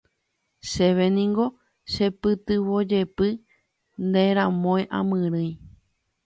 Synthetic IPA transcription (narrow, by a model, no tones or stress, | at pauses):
ʃeʋenĩŋɡo̞ | ʃe̞pɨt̪ɨβo̞d͡ʒe̞pɨ | nd̪eɾ̃ãmõẽʔã̰mɨ̃ɾɨ̃j̃